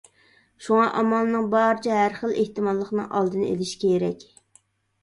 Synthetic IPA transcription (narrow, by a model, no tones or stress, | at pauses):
ʃuŋɑʔɑmɑlˠnɨŋbɑɾɨt͡ʃʰɛɦæɾχəlˠʔeht̪ɨmɑlˠːəχnɨ̰ŋʔɑ̰lˠd̪ɨnɨḛlɪʃi̥kʲʰeɾɛkʲ